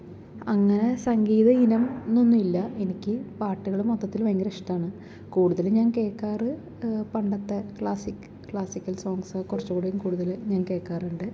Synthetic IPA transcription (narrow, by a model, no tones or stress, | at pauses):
ɐŋːɐne̞sɐŋɡiːðɐinɐmnonːuilːɐe̞nikʲːɨpaːʈːɨɣɐɭumot̪ːɐt̪ːilʋɐŋɡɐɾɐʂi̥ʈːaːɳɨ | kuːɽuðɐlɲaːnke̞ːkːaːrɨ | pɐɳɖɐt̪ːekɭaːsikːɨ̥kːɭaːsikʲːɐlso̞ːŋɡsɐkurɐt͡ɕːukɣuːɽejumkuːɽuðɐlɲaːnke̞ːkːaːruɳɖɨ